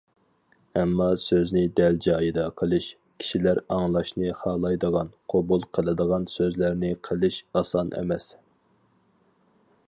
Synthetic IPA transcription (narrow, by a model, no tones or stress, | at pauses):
ɛmːɑsøznɪd̪æld͡ʒɑːjɨd̪ɑqʰəlˠɨʃ | kʲʰi̥ʃilæɾɑŋlˠɑʃnɨχɑːlˠɑjd̪əʁɑnqʰobulˠqʰəlˠɨd̪əʁɑnsøzlæɾnɪqʰəlˠɨʃɑsɑnʔḛmɛs